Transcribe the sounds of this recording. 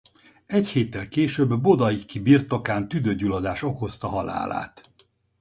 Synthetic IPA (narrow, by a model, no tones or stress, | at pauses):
ɛcheːt̪ːɛlkeːʃøbːod̪ɒjikːibirt̪o̞kaːnt̪yd̪øɟylɒd̪aːʃo̞ko̞st̪ɒɦɒla̰ːla̰ːt̪